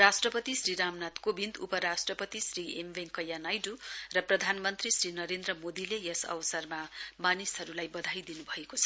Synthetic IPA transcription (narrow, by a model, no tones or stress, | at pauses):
ɾasʈrʌpʌt̪isriɾamnat̪kobind̪upʌɾasʈrʌpʌt̪isriembeŋkʌjːanajɖurʌprʌd̪ʱanmʌnt̪risrinʌɾend̪rʌmod̪ilejʌsʌ̰bʌsʌrmamanisɦʌɾulajbʌd̪ʱajd̪inubʱʌekot͡sʰʌ̥